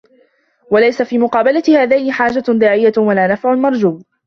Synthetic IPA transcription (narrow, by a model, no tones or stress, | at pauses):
walajsafiːmʊqɑːbalat̪ɪhaːðajnɪħaːd͡ʒad̪ɑːʕɪjːawalaːnafʕʊmɑɾˤd͡ʒuːb